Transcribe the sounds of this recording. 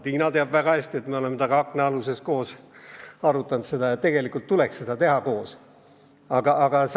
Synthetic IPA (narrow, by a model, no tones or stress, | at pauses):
t̪iːnɑt̪e̞ɑb̥væɡ̥ɑhæsʲt̪iet̪meo̞lemːet̪ɑɡ̥ɑɑkːˑneɑluse̞sko̞ːs | ɑɾut̪ːˑɑnud̪se̞d̪̥ɑjɑt̪ːe̞ɡ̥e̞likˑult̪ːuleksːe̞d̪̥ɑt̪e̞ɦɑko̞ːs | ɑɡ̥ɑʔɑɡ̥ɑs